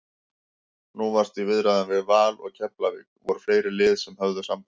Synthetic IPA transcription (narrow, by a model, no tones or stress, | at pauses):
nuvaɾ̥t̪ivɪðɾaðanvɪðvaːlɔ̰ɣcʰɛplaviːkvɔɾʏ̥fleːjɾɪlɪːðsɛmhœvðʏsampḁ